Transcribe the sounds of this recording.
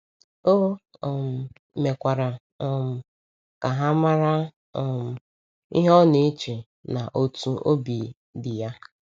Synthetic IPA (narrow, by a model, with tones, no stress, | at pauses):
o˦˨m̩˨ | me˨kʷa˨ɾa˨ | ɔ˨m̩˨ | ka˨ɦa˦ma˦ɾa˦ | ɔ˨m̩˨ | i˦ɦɔ˦ne˦t͡ʃe˨ | na˨ʔo˦tu˦ʔo˦bi˨ | dɪ˨ja˦